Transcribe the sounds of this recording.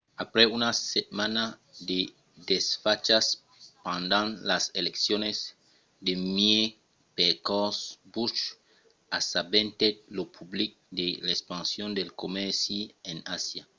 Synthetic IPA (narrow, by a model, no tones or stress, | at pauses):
apɾeunasemanad̪e | d̪esfat͡ʃas | pãnd̪ãnlaseleksjones | d̪emje | pekɔsbut͡ʃ | asabent̪et̚lopʰublik̚d̪elaekspãnsjond̪elkomɛɾsienasja